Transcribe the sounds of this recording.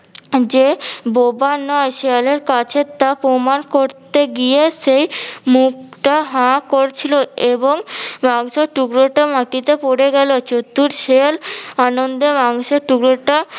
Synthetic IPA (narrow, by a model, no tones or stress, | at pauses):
d͡ʑebobanɔeʃealeɾkat͡ɕʰet̪apɾomankoɾt̪eɡieʃejmuk̚ʈaɦãkoɾt͡ɕʰiloeboŋbaŋʃoɾʈuɡɾoʈamaʈit̪epoɽeɡɛlot͡ɕot̪ːuɾʃelanond̪emaŋʃeɾʈuɡɾoʈa